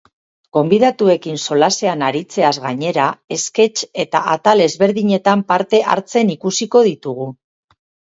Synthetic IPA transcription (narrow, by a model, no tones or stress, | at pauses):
ɡ̥o̞mbiðat̪ue̞kinso̞lase̞anaɾit͡se̞azɣaɲe̞ɾae̞ske̞t͡ʃe̞t̪aʔat̪ale̞zβe̞ɾðiɲe̞t̪ampaɾt̪e̞ʔa̰ɾt͡se̞nikusiko̞ð̞it̪uɣ̞u